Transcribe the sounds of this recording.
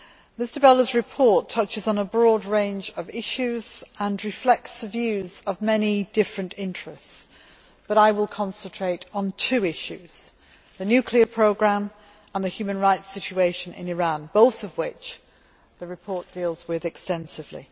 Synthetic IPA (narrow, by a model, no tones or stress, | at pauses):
mɪstə˞bɛlˠəzɹɪpʰɔɹtʰʌt͡ʃɪzn̩əbɹɔːdɹẽɪ̃nd͡ʒəvɪʃʉz̥ə̃nɹɪflɛk̚tsəvjʉzəvmɛnidɪfɹə̃ntɪ̃nt͡ʃɹ̥ɛsts | b̥ʌɾaɪwɪlˠkʰɒ̃nsə̃ntʰɹ̥eɪɾn̩tʰʉːɪʃʉz̥ | ðənjʉkʰliəpʰɹ̥oʊɡɹãm | ə̃nðəhjʉmə̃nɹaɪtsɪt͡ʃʉeɪʃə̃nɪ̰̃nɪɹɑ̃nboʊθəvwɪt͡ʃ | ðəɹɪpʰɔɹʔ̚d̥ilˠz̥wɪðɛkstɛ̃nsɪvlḭ